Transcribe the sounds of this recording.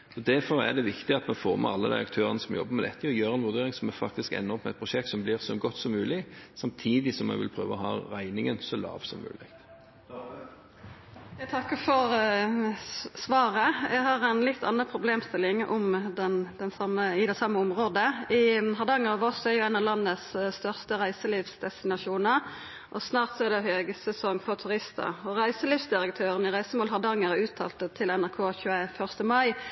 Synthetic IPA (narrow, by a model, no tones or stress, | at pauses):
ɔd̪æɾfɔɾæ̰d̪ɛʋɪkt̪ɪɑt̪mɛfoːʁmɛ̰ɑlːəd̪æ̰ɪɑk̚t̪ʰøːʁənəsɔmjɔ̰bːəɾmɛd̪ɛt̪ːɪɔjøːɾɛnʋʉd̪eːɾɪŋsɔmɛfɑkt̪ɪskɛ̰nːəɾɔpmɛɛɪt̪̚pʰʁʊʃɛk̚t̪sɔmblɪʁsɔɡɔt̪ːsɔmːʉːlɪsɑmt̪ʰiːd̪ɪsɔmɛ̰ɪʋɪlpʰɾøːʋəɔhɑːɾæɪnɪŋənsɔlɑ̰ːʋsɔmːʉ̰ːlɪkt̪ | jæt̪ʰɑkːəfɔɾ | sʋɑːɾəjæɡɦɑːʁɛnlɪt̪ʰːɑ̰nːəpʰʁʊbleːmst̪ɪlɪŋɔ̰md̪ɛnd̪ɛnsɑməɪd̪ɛsɑmːəʊmʁoːd̪əʔɪɦɑʁd̪ɑŋːəʁɑʋɔsɔɛʁjʊæɪnɑʋlɑnːəsst̪œʁst̪əʁæɪsəliːʋsd̪ɛst̪ɪnɑʂuːnəʁ | ʔɔsnɑːʁt̪sɔɛʁd̪ɛhøːɡəsɛsɔŋːfɔʁt̪ʰʉʁɪst̪ə̰ɔʁæɪsəliːʋsd̪ɪɾək̚t̪ʰøːʁənɪʁæɪsəmoːlɦɑʁd̪ɑŋːəʁʉːt̪ʰɑ̰ːlt̪ət̪ʰɪlɛnæʁkʰoːçʉːəfœʁst̪əmɑɪ